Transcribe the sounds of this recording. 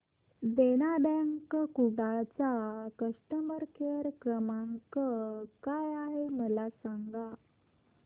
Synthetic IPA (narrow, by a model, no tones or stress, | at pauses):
d̪eñabɛŋkkuɽat͡sakəʂʈəməɾkʰeɾkɾəmaŋkkajaɦeməlasaŋɡa